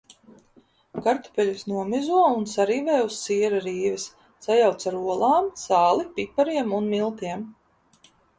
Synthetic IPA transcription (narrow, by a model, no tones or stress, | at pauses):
kaɾt̪u̥pʲɛlʲisnuɔmizuɔunsaɾiːvɛːusːiːɾaɾiːvɛs | sajawt̪saɾuɔlˠaːmsaːlˠipipaɾiɛmunmilˠt̪iɛm